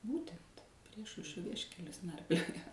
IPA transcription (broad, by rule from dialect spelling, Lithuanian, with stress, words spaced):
ˈbuːtʲɛnt ˈpʲrʲiɛʃɐʊʃʲrʲoː ˈʋʲiɛʃʲkʲɛlʲʊs ˈnɐrʲpʲlʲoːjoː